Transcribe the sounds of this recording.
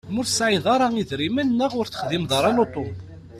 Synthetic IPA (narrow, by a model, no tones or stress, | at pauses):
mʊɾsʕiðˤɑɾˤɑiðɾimænnːəʁʊɾθə̥χðimðˤɑɾˤɑnot̪ˤom